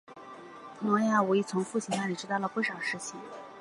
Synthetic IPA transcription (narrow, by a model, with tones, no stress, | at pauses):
nɔ˧˥ŋja˥˩u˧˥i˧˩t͡sʰʊ˧˥ŋfu˥˩t͡ɕʰi˧˥na˥˩li˨˩ʈ͡ʂɻ̩˥t̪ɑ˥˩ʊlə˩pu˥˩ʂɑ˨˩ʊʂɻ̩˥˩t͡ɕʰi˨˩ŋ